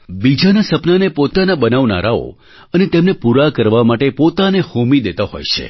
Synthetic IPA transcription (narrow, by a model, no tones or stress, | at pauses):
bid͡ʒanasəpnanepot̪anabənaʋna̰ɾao̰ | ənet̪emnepuɾakəɾʋamaʈepot̪anehomid̪et̪aɦo̰jt͡ʃʰḛ